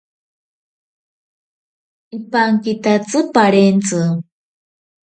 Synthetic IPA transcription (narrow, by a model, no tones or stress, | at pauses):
ipaŋkit̪at͡sɨpaɾent͡sɨ